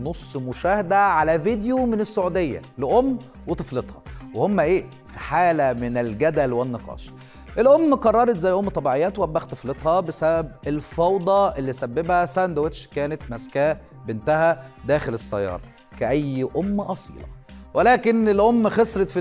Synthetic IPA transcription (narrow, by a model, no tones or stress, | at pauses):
nosˤːmʊʃæːhæd̪æʕalævid̪jomɪnesːoʕud̪ejːæ̰leʔomː | wet̪ˤɨflet̪ˤhɑwehomːæʔeː | fiħaːlæmɪnɪlɡæd̪ælwenːeqɑ̰ːʃ | ʔelʔomːqɑrˤːɑɾˤɑt̪zæjːʔomːt̪ˤːɑbiʕejːæːt̪wʔæbːæxt̪ˤɨflet̪ˤhɑbesæbæbelfɑwd̪ˤɑʔelːisæbːebhæsænd̪wet̪ʃkæːnet̪mæskæː | bɪnt̪æhæd̪æːxelesːɑ̰jːɑ̰ːɾˤɑ̰ | kæʔæjːʔomːʔɑsˤḭːlɑ̰welæːkenelʔomːxesˤɾet̪fi